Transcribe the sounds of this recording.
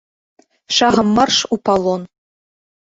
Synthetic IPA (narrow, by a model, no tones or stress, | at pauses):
ʃɑʁɤ̆mːɤrʃupɑlˠon